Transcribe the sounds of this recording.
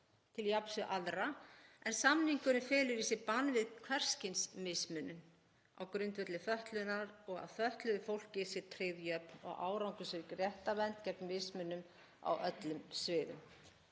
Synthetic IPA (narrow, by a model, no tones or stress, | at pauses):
t̪ʰɪljapsʏʔaðɾaɛnsamniŋkʏnʏfɪːlʏɾisɪpanːvɪðkʰvɛr̥scɪnsmɪsmʏnʏm | a̰wkɾʏnt̪vœt̪lɪθœht̪lʏnaɾɔɣa̰ðθœht̪lʏðɪfowl̥cɪsɪɾt̪ʰɾeðjœpnɔ̰ɣʔa̰ːwɾawŋkʏsɪɾkɾjɛht̪avɛnt̪cɛpnmɪsmʏnːʏm | a̰wʔœt̪lʏmsvɪːðʏ̰m